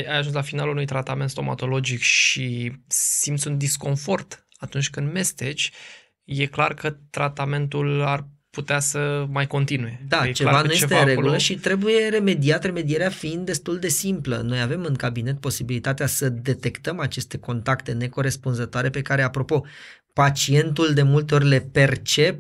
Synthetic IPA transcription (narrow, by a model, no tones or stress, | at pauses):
jajaʒunslafinalunujt̪ɾat̪ame̞nt̪st̪oma̰t̪o̞lo̞d͡ʒikʃisimt̪sund̪isko̞nfo̞rt̪ | at̪unt͡ʃʲkɨnd̪me̞st̪e̞t͡ʃʲ | je̞klarkət̪ɾat̪ame̞nt̪ularput̪easəmajko̞nt̪inuje̞d̪at͡ʃevanuje̞et̪eɾe̞ɡɡuləʃit̪ɾe̞buje̞ɾe̞me̞d̪iat̪re̞me̞d̪ieɾeafiind̪ːe̞st̪uld̪e̞simplə̰no̞jave̞mɨŋkabine̞t̪̚po̞sibilit̪at̪easəd̪e̞t̪e̞kt̪əmat͡ʃe̞st̪e̞ko̞nt̪akt̪e̞ne̞ko̞ɾe̞spunzət̪oaɾe̞pe̞kaɾe̞apɾo̞po̞ | pat͡ʃie̞nt̪uld̪e̞mult̪̬e̞orʲle̞pe̞rt͡ʃe̞p